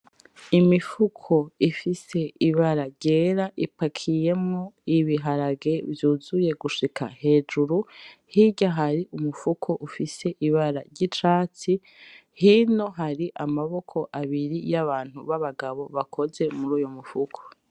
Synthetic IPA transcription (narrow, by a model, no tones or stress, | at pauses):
imifukʰo̞ifise̞iβaɾaɾɟe̞ːɾaʔipakʰije̞mŋoiβiɦaɾaɡe̞vjuːzuje̞ɡuʃika̰he̞ːd͡ʒuɾuhiɟaɦaɾiʔumufukʰo̞ʔufise̞ʔiβaɾaɾɟit͡ʃaːt͡si | hino̞ɦaɾiʔamaβo̞kʰo̞ʔaβiɾijaβaːn̥uβaβaɡaβo̞βakʰo̞ze̞muɾuːjomufukʰo̥